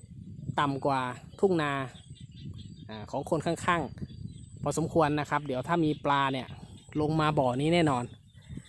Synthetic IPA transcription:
t̪a˨˩mkwaː˨˩t̪ʰu˥˩ŋnaː˧ | ʔaː˨˩kʰɔː˩˦ŋkʰo˧nkʰa˥˩ŋkʰaː˥˩ŋ | pʰɔː˧so˩˦mkʰu˧ənːa˦˥kʰa˦˥p̚di˩˦əwt̪ʰaː˥˩miː˧plaː˧ni˧˩ɐlo˧ŋmaː˧bɔː˨˩niː˦˥˩nɛː˥˩nɔː˧n

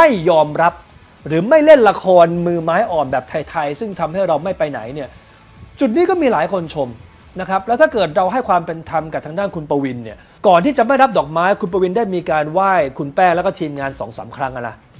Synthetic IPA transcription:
ma˥˩jːɔː˧mɾa˦˥p̚ | ɾɯː˩˦ma˥˩jle˥˩nla˧kʰɔː˧nmɯː˧maː˦˥jʔɔː˨˩nbɛː˨˩p̚t̪ʰa˧jt̪ʰa˧jsɯ˥˩ŋt̪ʰa˧mha˥˩jɾa˧wma˥˩jpa˧jna̰˩˦jni˥˩ɐ | t͡ɕu˨˩t̪̚niː˦˥kɔː˥˩miː˧laː˩˦jkʰo˧nt͡ɕʰo˧m | na˦˥kʰɾa˦˥p̚lɛː˦˥t̪ʰaː˥˩kɤː˨˩t̪̚ɾa˧wɦa˥˩jkʰwaː˧mpe˧nt̪ʰa˧mka˨˩p̚t̪ʰa˧ŋdaː˥˩nkʰu˧npa˧wi˧nːi˥˩ɐ | kɔː˨˩nt̪iː˥˩t͡ɕa˨˩ma˥˩jɾa˦˥p̚dɔː˨˩k̚maː˦˥jkʰu˧np̬a˧wi˧ndaː˥˩jmiː˧kaː˧nwaː˥˩jkʰu˧npɛː˥˩ŋlːɛ˦˥wkɔ˥˩t̪ʰiː˧mŋaː˧nsɔ̰ː˩˦ŋsa̰ː˩˦mkʰɾa˦˥ŋʔa˨˧na˦˥

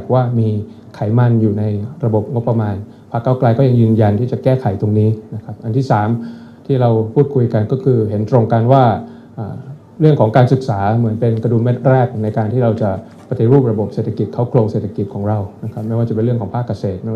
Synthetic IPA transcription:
k̚waː˥˩miː˧ | kʰa˩˦jma˧njuː˨˩na˧jɾa˧bo˨˩p̚ŋo˦˥pːɾa˧maː˧n | pʰaː˦˥˩kːaː˥˩wklaː˧jkɔː˥˩ja˧ŋjɯː˧nja˧nt̪ʰiː˥˩t͡ɕa˨˩kɛː˥˩kʰa˨˦jt̪o˧ŋniː˦˥na˦˥kʰa˦˥p̚ʔa˧nt̪ʰiː˥˩saː˩˦m | t̪ʰiː˥˩ɾa˧wpʰuː˥˩t̪̚kʰu˧jka˧nkɔː˥˩kʰɯː˧ɦe˩˦nt̪ɾo˧ŋka˧nwaː˥˩ | ʔaː˨˩ | ɾɯ˥˩əŋkʰɔː˩˦ŋkaː˧nsɯ˨˩k̚saː˩˦mɯ˩˦ənpe˧nka˧duː˨˧˩me˥˩t̪̚ɾɛː˥˩k̚na˧jkaː˧nt̪ʰiː˥˩ɾa˧wt͡ɕa˨˩ | pa˧t̪i˨˩˦ɾuː˥˩p̚ɾa˧bo˨˩p̚seː˨˩t̪ʰa˧ki˨˩t̪̚kʰa˦˥˩wkʰlo˧ŋseː˨˩t̪ʰa˧ki˨˩t̪̚kʰɔː˩˦ŋɾa˧wna˦˥kʰa˦˥p̚ma˥˩jwaː˥˩t͡ɕa˨˩pe˧nɾɯ˥˩əkʰɔː˩˦ŋpʰaː˥˩kːa˧seː˨˩t̪̚m˥

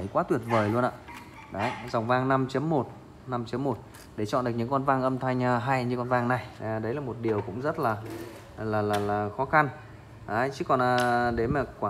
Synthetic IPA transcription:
ə˨˩jkwaː˨˦t̪wi˨˩ət̚vəː˨˩jlu˧ənʔa̰ː˧˨ | ɗə˨˦za˨˩wŋ͡mvaː˧ŋna˧mt͡ɕə˨˦əmːo˨˩t̚ | na˧mt͡ɕə˨˦mːo˨˩t̚ | ɗe˧˩t͡ɕɔ̰˧˨ɗk̚ɲɨ̰˧˥ŋkɔ˧nvaː˧ŋʔə˧mt̪ʰa˧jŋ̟ː˧ɦa˧jɲɨ˧kɔ˧nvaː˧ŋna˨˩jɗə˨˦jlaː˨˩mo˨˩t̚ɗi˨˩əwkʊ̰˧˥ŋ͡mzə˦˥t̚laː˨˩ | laː˨˩laː˨˩laː˨˩xɔ˨˦xa˧n | ʔaː˨˦t͡ɕɨ̰˧˦kɔ˨˩nʔəː˨˩ɗe˨˦maː˨˩kwaː˧˨

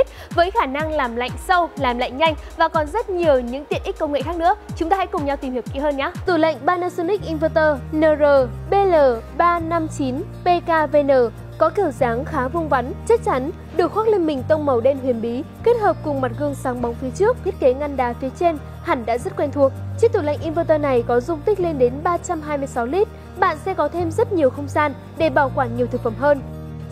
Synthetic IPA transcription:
t̚ | vəː˨˦jxaː˧˩na˧ŋlaː˨˩mla̰˧˨jŋ̟sə˧wlaː˨˩mla̰˧˨jŋ̟ɲa˧jŋ̟vaː˨˩kɔ˨˩nzə˦˥t̚ɲi˨˩əwɲɨ̰˧˥ŋt̪ḭ˨˧˨ənʔi˦˥k̟kə˧wŋ͡mŋḛ˧˨xaː˦˥k̚nɨ̰˧˥ət͡ɕʊ˨˦ŋ͡mt̪aː˧ha̰˧˥jkʊ˨˩ŋ͡mɲa˧wt̪i˨˩mhi˨˩əpkḭ˧˨həː˧nɲaː˨˦t̪u˧˩lə̰˧˨jŋ̟ɓaː˧naː˧sə˧nï˦˥k̚ʔi˧nvəː˧t̪əː˧nəː˧˩zəː˨˩ɓe˧ləː˨˩ɓaː˧na˧mt͡ɕi˨˦nɓe˧kaː˧ve˧nəː˧˩ | kɔ˨˦ki˧˩əwzaː˨˦ŋxaː˨˦vʊ˧ŋ͡mva˨˦nt͡ɕa˦˥k̚t͡ɕa˨˦n | ɗɨ˨˩ək̚xwaː˦˥k̚le˧nmï˨˩ŋ̟t̪ə˧wŋ͡mmə˨˩wɗe˧nɦi˨˧˩ənɓi˨˦ | ke˦˥t̚həː˨˩p̚kʊ˨˩ŋ͡mma˨˩t̚ɣɨ˧əŋsaː˨˦ŋɓɔ˨˦wŋ͡mfi˨˦ət͡ɕɨ˦˥ək̚t̪ʰi˦˥t̚ke˨˦ŋa˧nɗaː˨˦fi˨˦ət͡ɕe˧n | ha˧˩ŋɗa̰ː˧˥zə˦˥t̚kwɛ˧nt̪ʰu˨˩ək̚t͡ɕi˦˥t̪u˨˧˩lə̰˧˨jŋʔi˧nvəː˧t̪əː˧na˨˩jkɔ˨˦zʊ˧ŋ͡mt̪ï˦˥k̟̚le˧nɗe˨˦nɓaː˧t͡ɕa˧mɦaː˧jmɨ˧əjsa˨˦wli˦˥t̚ | ɓa̰ː˧˨nsɛ̰˧˥kɔ˨˦t̪ʰe˧mzə˦˥t̚ɲi˨˩əwxə˧wŋ͡mzaː˧n | ɗe˧˩ɓaː˧˩wkwaː˧˩ɲi˨˩əwt̪ʰɨ˨˩k̚fə˧˩mɦəː˧n

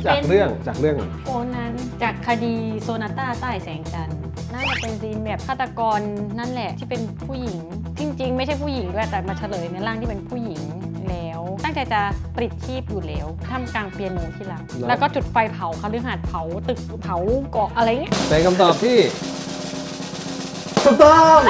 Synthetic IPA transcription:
t͡ɕaː˨e˧ɾɯ˥˩əŋt͡ɕaː˨˩k̚ɾɯ˥˩əŋ˩ko˧˩nːa˦˥n | t͡ɕaː˨˩kʰːa˧diː˧soː˧naː˧t̪aː˥˩t̪aː˥˩jsɛː˩˦ŋt͡ɕa˧n | naː˥˩t͡ɕa˨˩pe˧nsiː˧nbɛː˨˩p̚t̪ʰaː˥˩t̪ɾa˧kɔː˧nːa˦˥˨nlɛ˨˩ʔt̪ʰiː˥˩pe˧npʰuː˥˩ji˨˩˦ŋ | t̪ʰi˧ŋt͡ɕi˧ŋma˥˩t͡ɕʰa˥˩jpʰuː˥˩ji˩˦ŋdu˥˩ə˨jt̪ɛː˨˩maː˧t͡ɕʰa˧lɤː˨˧jn˧˦laː˥˩ŋt̪ʰiː˥˩pe˧npʰuː˥˩ji˩˦ŋ | lɛː˦˥wt̪a˥˩ŋt͡ɕa˧jt͡ɕa˨˩pɾi˨˩t̪̚t͡ɕʰiː˥˩p̚juː˨˩lɛː˨˦˥wt̪ʰa˥˩mkaː˧ŋpi˧ənːoː˧nt̪ʰiː˥˩la˨˦˩ŋ̚lɛː˦˥kɔː˥˩t͡ɕu˨˩t̪̚fa˧jpʰa˨˦wkʰa˧˩lɯ˦˥hɦaː˨˩t̪̚pʰa˨˩˦wt̪ɯ˨˩k̚pʰa˨˦wkɔː˨˩ʔʔa˧ɾa˧jːŋːi˦˥˩sɛː˨˦ŋkʰa˧mt̪ɔː˨˩p̚t̪ʰiː˥˩ | su˨˧˩d̪a˧

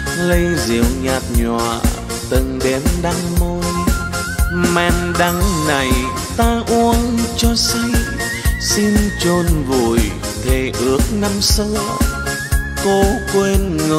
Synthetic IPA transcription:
lə˧jzḭ˧˨˩əwɲaː˨˩t̚ɲwa̰ː˧˨ | t̪ɨ˨˩ŋɗe˨˦mɗa˧ŋmo˧j | mɛ˧nɗa˧ŋna˨˩j | t̪aː˧ʔu˧ənt͡ɕɔ˧si˧j | si˧nt͡ɕo˧˩nvu˧˩j | t̪ʰe˨˩ʔɨ˨˦˥ək̚na˧msə˧ | ko˧kwe˧nŋɨ˨˩

